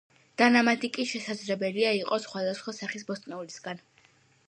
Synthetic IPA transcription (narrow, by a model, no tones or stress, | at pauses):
d̪̥anamat̪ʼikʼiʃɛsad̪zlɛbɛliaiqʼɔsχwad̪asχwasaχisbɔst̪ʼnɛulisɡan